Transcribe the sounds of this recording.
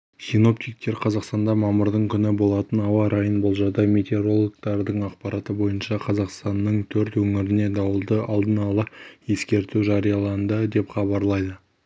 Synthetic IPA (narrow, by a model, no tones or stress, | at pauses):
sino̞p̚t̪ijk̚t̪ːe̞ɾqʰɑzɑqst̪ɑnd̪ɑmɑməɾd̪əɴkʲʰʏnɪbo̞lˠɑt̪ənɑwɑɾɑjənbo̞lˠʒɑd̪ɑme̞t̪eɾo̞lˠokt̪ɑɾd̪əɴɑqpɑɾɑt̪əbo̞jənʃɑqʰɑzɑqst̪ɑnːəɴt̪ʰɵɾt̪wɵŋɪɾɪne̞d̪ɑwəlˠd̪əʔɑlˠd̪ənɑlˠəje̞skʲe̞ɾt̪uʒɑɾijɑlˠɑnd̪əd̪e̞pχɑbɑɾlˠɑjd̪ə